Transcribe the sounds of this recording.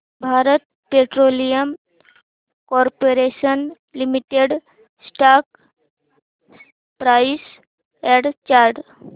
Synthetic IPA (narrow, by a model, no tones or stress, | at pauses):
bʱaɾət̪̚ | peʈɾolijəm | kɔɾpoɾesən | limiʈeɖ | sʈak̚ | pɾajis | ɛɽt͡ɕaɾɖ